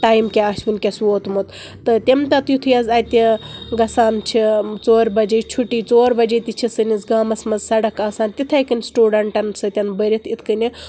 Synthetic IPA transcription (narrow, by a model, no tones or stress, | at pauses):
ʈaːjmkʲeaʃʋinʲkʲɐsʋoːt̪mut̪ | t̪ɨt̪ʲemt̪ɐt̪jut̪ʰujɐzɐːt̪ʲiɡɐsaːnt͡ʃʰit͡soːɾbɐd͡ʒɐt͡ʃʰuʈiːt͡soːɾbɐd͡ʒit̪ʲit͡ʃʰisɨnʲizɡaːmɐsmɐzsɐɽɐkaːsaːnt̪it̪ʰɐjkɨnʲsʈuːɖɐɳʈɐnsɨt̪ʲɐnbəɾʲit̪ʰit̪ʰkɨnʲi